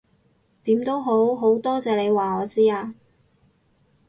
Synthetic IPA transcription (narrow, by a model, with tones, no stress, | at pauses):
t̪iː˨˥mt̪o˥wɦo˨˥wɦo˨˥wt̪ɔː˥t͡sɛː˨˧ne˨˧jwaː˨ŋɔː˨˧t͡siː˥aː˧